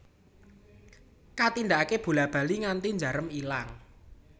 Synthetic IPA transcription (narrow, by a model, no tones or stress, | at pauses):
kat̪ind̪aakeb̥ṳlab̥a̤liŋant̪iɲd͡ʒa̤ɾəmilaŋ